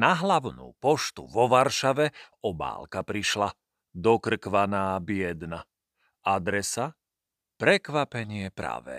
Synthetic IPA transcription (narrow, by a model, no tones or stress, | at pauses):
naɦlaʋnṵːpɔʃt̪ṵʋɔʋaɾʃaʋɛɔba̰ːlkapɾiʃla | d̪ɔkr̩kʋanaːbɪɛd̪na | ad̪ɾɛsa | pɾɛkʋapɛɲɪɛpɾa̰ʋɛ̰